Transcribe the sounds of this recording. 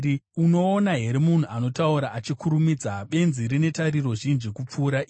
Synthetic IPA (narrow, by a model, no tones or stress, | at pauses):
uno̞ːnaɦe̞ɾimun̤uʔano̞tauɾaʔat͡ʃikuɾumid͡zaɓe̞nziɾine̞taɾiro̞ʐinʐikup͡fuːɾaʔ